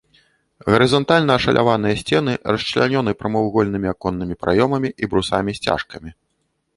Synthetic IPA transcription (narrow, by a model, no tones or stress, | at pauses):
ɣɐɾɨzɐnt̪alʲnɐːʂɐ̰lʲʔa̰van̪ɨjɐsʲt͡sʲɛn̪ɨrɐʂt͡ʂlʲa̰nʲɔnɨpɾɐmawɣɔlʲnɨmʲiakɔnːɨmʲipɾʔa̰jɔmɐmʲiʔibɾusa̰mʲisʲt͡sʲa̰ʂkɐmʲi